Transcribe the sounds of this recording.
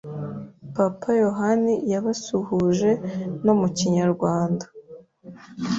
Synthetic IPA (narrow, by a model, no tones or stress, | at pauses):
papʰajo̞ɦanijaβasuhuʒe̞no̞muciɲaɾɡwaːndḁ